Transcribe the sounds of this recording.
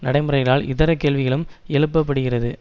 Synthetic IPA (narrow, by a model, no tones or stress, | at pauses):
nɐɽɐɪmɯɾɐɪɣɐɭaːlʔɪðɐɾɐkːeːlʋɪɣɐɭɯmɛɭɯpːɐp̬ːɐɽɯɣɪrɐðɯ